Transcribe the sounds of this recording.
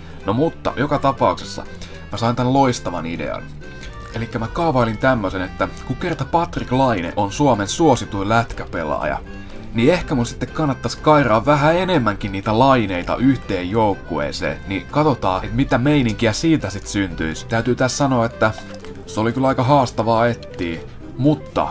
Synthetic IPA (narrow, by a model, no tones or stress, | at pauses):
nomut̪ːɑ̰jokɑt̪ɑpɑuksesːɑ̰ | mæsɑint̪ænloist̪ɑʋɑ̰nidḛɑ̰n | elikːæmækɑuʋɑilint̪æmːøsenet̪ːækukert̪ɑpɑt̪riklɑinḛʔonsuomensuosit̪uilæt̪kæpḛlɑ̰ːjɑ̰ | niehkæmunsi̥t̪ːekkɑnːɑt̪ːɑskɑirɑːʋʋæɦæenemːæŋkinniːt̪ælɑineit̪ɑ̰ʔyht̪eːjjoukːoḛːsḛːnikɑt̪ot̪ɑ̰ːet̪mit̪æmeiniŋk̟iæsiːt̪æsit̪synt̪y̰ist̪æyt̪yːt̪æssɑnoɑet̪ːæ | seolikylɑikɑɦɑːst̪ɑʋɑːet̪ːiː | mut̪ːɑ̰